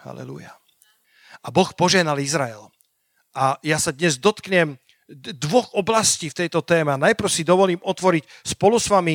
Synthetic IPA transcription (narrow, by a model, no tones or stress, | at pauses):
ha̰lɛ̰lṵja̰ | ʔabɔxpɔʒɛɦnalizɾaɛl | ʔajasad̪ɲɛzd̪ɔt̪kɲɛm | d̪ʋɔɣɔblasciːft̪ɛjt̪ɔt̪ɛːmɛanajpɾ̩ʊsid̪ɔʋɔliːmɔt̪ʋɔɾicspɔlusʋami